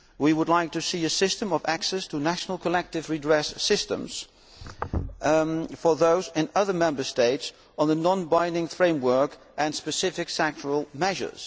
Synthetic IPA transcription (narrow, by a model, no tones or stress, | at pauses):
wiwədˡlaɪk̚tʰɨsiɨsɪstə̃mʌvæksɛstʰənæʃn̩l̩ˠkʰəlɛk̚tɨvɹidɹɛsːɪstə̰̃mz̥ | fə˞ðoʊzɪ̃nʌðə˞mɛ̃mbə˞steɪts | n̩ðənɑ̃nbãɪ̃ndɪ̃ŋfɹẽɪ̃mwɜ˞k | ʔɨ̃nspɨsɪfɨksɛk̚t͡ʃəɹəl̩ˠmɛʒə̰˞z̥